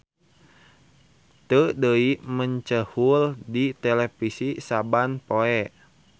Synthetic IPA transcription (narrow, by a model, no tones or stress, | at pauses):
t̪ədəiməɲt͡ʃəhuldit̪ɛlɛfisisabanpoɛʔ